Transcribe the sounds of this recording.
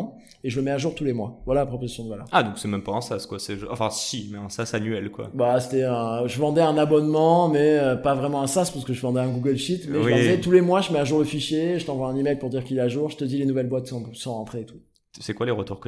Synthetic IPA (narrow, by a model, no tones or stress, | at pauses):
eʒələmɛaʒuʁt̪ulemwa̰vwalapχɔpozasjɔ̃d̪əvalœ̰ʁad̪ɔ̃ksɛmɛmpaɛ̃saskwasɛʒɑ̃fɛ̃simɛɛ̃sasanyɛlkwa̰base̥t̪ɛɛ̃ʒəvɑ̃d̪ɛɛ̃nabɔnmɑ̃mɛøpavʁɛmɑ̃ɛ̃saspaʁsəkəʒəvɑ̃d̪ɛɛ̃ɡuɡəlʃit̪mɛʒəɛt̪ulemwaʒəmɛaʒuʁləfiʃjeʒət̪ɑ̃vwaɛ̃nimɛjlpuʁd̪iʁkʲilɛaʒuʁʒət̪əd̪ilenuvɛlbwat̪sɔ̃sɑ̃ʁɑ̃t̪χeet̪u̥ | sɛkwaleʁət̪uʁkə